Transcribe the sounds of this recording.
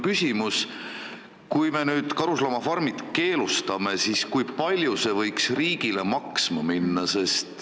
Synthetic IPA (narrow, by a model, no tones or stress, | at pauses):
kysʲimus | kujme̞nyːd̪̥kɑɾuslɑmɑfɑrmid̪̥ke̞ːlust̪ɑme̞siskujpɑlʲjuse̞vɤjksriːɡ̥ile̞mɑksmɑminːɑse̞st̪